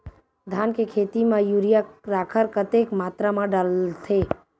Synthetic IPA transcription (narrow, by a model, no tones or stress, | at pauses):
d̪ʱaːnkekʰet̪imãjuɾijaɾaːkʰəɾkət̪ekmaːt̪ɾamãɖəlt̪ʰe